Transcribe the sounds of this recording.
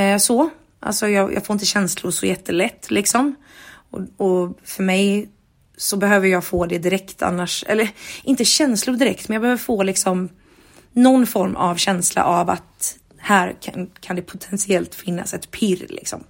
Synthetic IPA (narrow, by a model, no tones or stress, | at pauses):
sɔ | ʔa̰lsɔjɑːjɑ̰ːɡfoːɾɪnt̪əɕɛnslʊɾʂɔjɛt̪ʰːəlɛt̪ːlɪksɔm | ɔ̰ɔfœɾmɛj | sɔbɛhøːvəɾjɑːɡfoːd̪ɛd̪ɪɾɛkt̪ʰa̰nːaʂʔɛ̰lːəɾʔɪnt̪əɕɛnslʊɖ̪ɪɾɛkt̪mɛnjɑɡbɛhøːvəfoːlɪksɔm | nɔnːfɔɾma̰vɕɛnsla̰ʔava̰t̪ | hæːɾkʰankʰand̪ɛpʰʊt̪ʰɛnsɪɛlt̪fɪnːa̰sɛt̪pʰɪɾlɪ̰ksɔ̰m